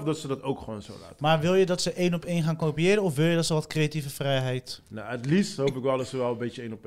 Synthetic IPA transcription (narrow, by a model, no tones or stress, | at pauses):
fdɔtsədɑtowkχəʋoːnzo̰la̰ːtəmarʋɪlˠjədɔtsəʔejnɔpejnχaːnkoːpiɪːɾənɔfʋɪlˠjədɔtsəʋɔtkrejativəfrɛjɦɛjtnaətlistɦowpɪkʋɛlˠdɔtsəʋɛlˠəmbeəejnɔp